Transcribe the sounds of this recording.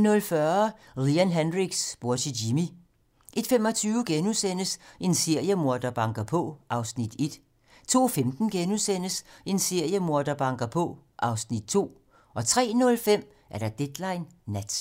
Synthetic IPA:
nɔ̽lfɶɐ | liænɦænʁiɡ̥sb̥oɐsʰidimi | ʔe̝d̥femɒ̽t͡sʰyːʊɡ̥enusen̰əse̝nse̝ɐ̰jəmo̝ɐd̥ɐb̥ɑ̈ŋɡ̥ɐpʰɔ̽ʔɑ̈ʊsnid̥e̝d̥ | t͡sʰo̝̰ːfemd̥n̩ɡ̥enusen̰əse̝nse̝ɐ̰jəmoɐ̰d̥ɐb̥ɑ̈ŋɡ̥ɐpʰɔ̽ʔɑ̈ʊsnid̥̚t͡sʰo̝̰ː | ʔɒ̽t͡sʰʁɛ̰ːnɔ̽lfem̰ | ʔæɐɾɑ̈d̥ed̥lɑ̈ɪnːæd̥

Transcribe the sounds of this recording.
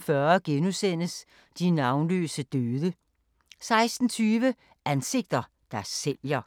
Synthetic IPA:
fɶɐɡ̥enusen̰əs | d̥inɑ̈ʊnlø̰ːsəd̥øːðˠə | sɑ̈ɪsd̥n̩t͡sʰyːʋə | ʔænse̝ɡ̥̚d̥ɐ | d̥æɐsːeljɐ

